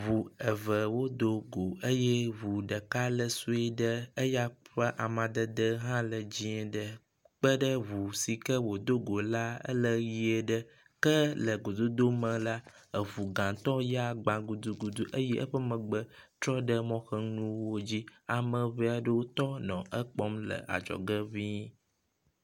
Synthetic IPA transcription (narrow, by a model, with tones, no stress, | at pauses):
βu˨ə˨və˨wo˦d̪o˨ɡo˨ə˦je˦βu˨ɖə˨ka˦lə˨su˦e˦ɖə˦ə˦ja˦ɸə˦ʔa˨mã˨d̪ə˦d̪ə˦ɦã˦lə˨d͡ʑi˦ɛ̃˨ɖə˨ | k͡pə˦ɖə˦βu˨si˨kə˦wo˨d̪o˦ɡo˨la˦ə̰˦lə˦ji˦e˨ɖə˦ | kə˦lə˨ɡo˨d̪o˦d̪o˦mə̃˨la˦ | ə˨vu˨ɡã˨t̪ɔ˦ja˦ɡ͡bã˨ɡu˨d̪u˦ɡu˨d̪u˦ʔə˦jɛ˦ʔə˦ɸə˦mə̃˨ɡ͡bə˨t̪ɾɔ˦ɖə˦mɔ̃˦xə˦nũ˦wo˦d͡ʑi˦a˨mə̃˨βe˦a˨ɖə˦wo˦t̪ɔ˦nɔ̃˨ʔə˦k͡pɔ˦mlə̰˨a̰˨d͡ʒɔ̰˨ɡə˦vi˦